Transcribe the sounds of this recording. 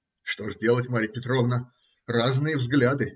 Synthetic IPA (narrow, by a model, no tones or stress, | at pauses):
ʂt̪oʐdʲelˠətʲmaɾʲɪjpʲɪt̪ɾovnə | raznɨjəvzɡlʲad̪ɨ